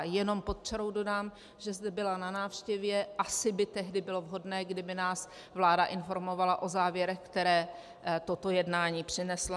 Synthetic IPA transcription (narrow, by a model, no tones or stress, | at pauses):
jɛno̞mpot̪̚t͡ʃɛɾo̞wdo̞daːm | ʒɛzdɛbɪlananaːfʃcɛvjɛʔasɪbɪt̪ɛɦdɪbɪlo̞vɦo̞dnɛːɡdɪbɪnaːs | vlaːdaʔɪnfo̞ɾmo̞valaʔo̞zaːvjɛɾɛxkt̪ɛɾɛː | t̪ot̪o̞jɛdnaːɲiːpr̝̥ɪnɛsla